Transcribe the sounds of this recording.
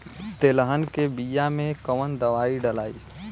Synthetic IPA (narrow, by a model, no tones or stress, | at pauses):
t̪eləɦənkebijamẽkəʋənd̪əʋaiɖəlaːi